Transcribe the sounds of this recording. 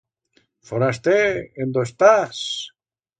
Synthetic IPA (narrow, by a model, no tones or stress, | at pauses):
foɾast̪eend̪oest̪as